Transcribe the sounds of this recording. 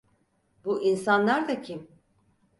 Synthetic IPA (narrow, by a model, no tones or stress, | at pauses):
buʔinsanlˠaɾd̪acʰim